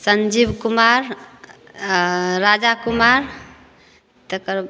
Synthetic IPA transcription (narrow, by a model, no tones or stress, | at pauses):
sənd͡ʒibkumaɾ | ɾad͡ʒakumaɾ | t̪əkəɾ